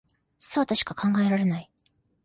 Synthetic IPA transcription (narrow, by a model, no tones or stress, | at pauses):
soat̪aɕi̥kakʰãŋɡae̞ɾaɾe̞nai